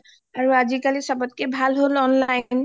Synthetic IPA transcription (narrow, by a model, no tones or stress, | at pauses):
aɹuazikalisɔbɔt̚kebʱalɦolɔnlajn